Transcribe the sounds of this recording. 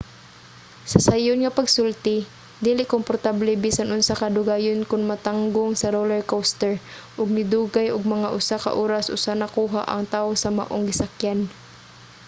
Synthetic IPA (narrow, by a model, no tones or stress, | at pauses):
sɐsajʊnŋɐpɐɡsʊlt̪ɪ | d̪iːlɪʔkompoɾt̪ablɛbiːsanʔʊnsakad̪ʊɡaːjonkʊnmɐt̪aŋɡʊŋsɐɾolɛɹkowst̪ɛɹ | ʔʊɡ̚nɪd̪uːɡajʔʊɡ̚mɐŋaʔʊsaka̰ʔoːɾasʔʊ̰sanɐkuːɦa̰ʔɐ̰ŋt̪aʊsɐma̰ʔoŋɡɪsakjan